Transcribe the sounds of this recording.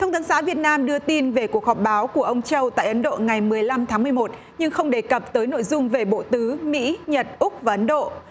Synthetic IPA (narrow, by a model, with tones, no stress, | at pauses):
t̪ʰə˧wŋ͡mt̪ʰəː˨˦nsa̰ː˧˥vi˨˩ət̚naː˧mɗɨ˧ət̪i˧nve˨˩ku˨˩ək̚hɔ˨˩p̚ɓaː˨˦wku˧˩əʔə˧wŋ͡mt͡ɕə˧wt̪a̰ː˧˨jʔə˨˦nɗo̰˧˨ŋa˨˩jmɨ˨˩əjla˧mt̪ʰaː˨˦ŋmɨ˨˩əjmo˨˩t̚ | ɲɨ˧ŋxə˧wŋ͡mɗe˨˩kə˨˩p̚t̪əː˨˦jno̰˧˨jzʊ˧ŋ͡mve˨˩ɓo̰˧˨t̪ɨ˨˦mḭ˧˥ɲə˨˩t̚ʔʊ˦˥k̚vaː˨˩ʔə˨˦nɗo̰˧˨